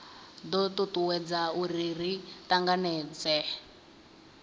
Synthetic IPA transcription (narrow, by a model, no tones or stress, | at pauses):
d̪ɔt̪utuwɛd͡zauriritaŋɡanɛːd͡zɛ